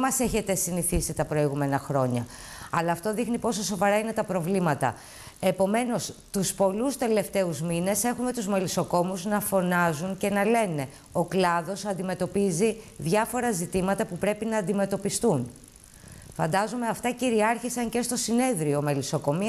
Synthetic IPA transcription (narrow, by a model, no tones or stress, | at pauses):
mɐse̞çe̞t̪e̞siniθisit̪ɐpɾo̞iɣume̞nɐxɾo̞ɲɐ̰ | ɐlɐːft̪o̞ðixnipo̞so̞so̞vɐɾɐine̞t̪ɐpɾo̞vlimɐt̪ɐ̰ | e̞po̞me̞no̞st̪uspo̞lust̪e̞le̞ft̪e̞uzmine̞se̞xume̞t̪uzmeliso̞ko̞muznɐfo̞nɐzunce̞nɐle̞ne̞ | o̞klɐðo̞sɐnd̪ime̞t̪o̞piziðʝɐfo̞ɾɐzit̪imɐt̪ɐpupɾe̞pinɐːnd̪ime̞t̪o̞pist̪un | fɐ̰nd̪ɐzume̞ɐft̪ɐciɾiɐɾçisɐɲce̞st̪o̞sine̞ðɾio̞meliso̞ko̞mi